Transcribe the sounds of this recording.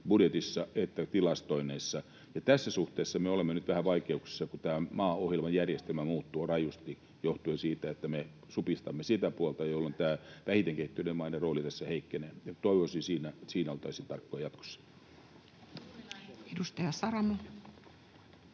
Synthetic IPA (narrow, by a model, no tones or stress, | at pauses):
budjet̪isːɑet̪ːæt̪ilɑst̪oineisːɑ | jɑt̪æsːæsuht̪eːsːɑmeolemːenyt̪ʋæhæʋɑikeuksi̥sːɑkut̪æːmɑːohjelmɑjjærjest̪elmæmuːt̪ːuːrɑjust̪i | joht̪uesiːt̪æet̪ːæme | supist̪ɑmːesit̪æpuɑlt̪ɑjolːont̪æːʋæhit̪eŋkehit̪ːynemmɑinɑroːlit̪æsːæheikːeneːjɑt̪oˑiʋosinsiːnæsiːnæolt̪ɑisint̪ɑrkːojɑjɑt̪ko̥sːɑ̥ | edust̪ɑjɑsɑɾɑmɑ